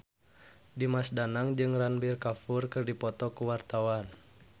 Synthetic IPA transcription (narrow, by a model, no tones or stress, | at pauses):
dimasdanaŋd͡ʒɨŋranbirkafurkɨrdipɔt̪ɔkuwart̪awan